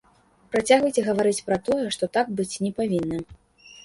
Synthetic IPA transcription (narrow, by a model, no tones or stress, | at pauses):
pɾat͡sʲaɣvɐjt͡sʲɛɣɐvaɾɨt͡sʲpɾɐt̪ɔjɛʂt̪ɔt̪ak̚bɨt͡sʲnʲɛpavʲinːɐ